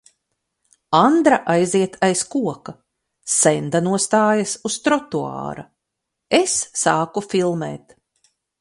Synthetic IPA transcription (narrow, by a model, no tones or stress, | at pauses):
and̪ɾaʔajziɛt̪ʰajskuɔka | sɛnd̪anuɔst̪aːjɐsust̪ɾɔt̪ua̰ːɾɐ | esːaːkufilˠmɛ̰ːt̪